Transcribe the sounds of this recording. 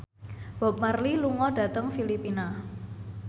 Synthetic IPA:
b̥ɔ̤p̚marliluŋɔɖ̥ä̤t̪əŋfilipina

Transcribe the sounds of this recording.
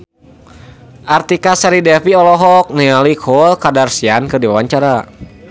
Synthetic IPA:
ʔart̪ikasaɾidɛfiɔlɔɦɔk̚nialikʰɔlkadarsiankɨrdiwawaɲt͡ʃaɾa

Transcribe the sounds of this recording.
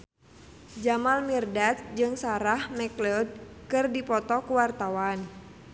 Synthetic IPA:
d͡ʒamalmirdat̪̚d͡ʒɨŋsaɾahmɛklɔd̚kɨrdipɔt̪ɔkuwart̪awan

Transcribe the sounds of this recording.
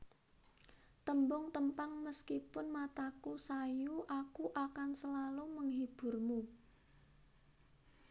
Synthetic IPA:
t̪əmbɔŋt̪əmpaŋməskipʊnmat̪akusajuʔakuʔakansəlaluməŋɦib̥ʊ̤rmu

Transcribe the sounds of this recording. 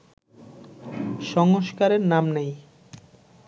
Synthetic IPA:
ʃɔŋoʃkaɾeɾnamnej

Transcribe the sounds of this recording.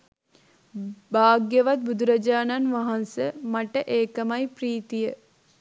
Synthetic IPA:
baːɡjəʋat̪̚bud̪uɾɐd͡ʒaːnanʋaɦansəmaʈəʔeːkəmajpriːt̪ijə

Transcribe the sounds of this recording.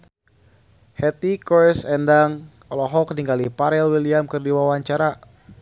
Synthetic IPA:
hɛt̪ikɔsɛndaŋ | ɔlɔɦɔkniŋɡalipaɾɛlwiliamkɨrdiwawaɲt͡ʃaɾa

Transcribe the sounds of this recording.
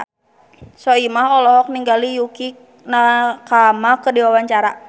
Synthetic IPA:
sɔimaɦɔlɔɦɔk̚niŋɡalijuki | nakamakədiwawaɲt͡ʃaɾa

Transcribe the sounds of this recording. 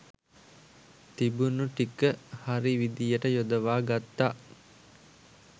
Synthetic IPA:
t̪ibunuʈikəhaɾiʋid̪ijəʈəjod̪əʋaːɡat̪ːaː

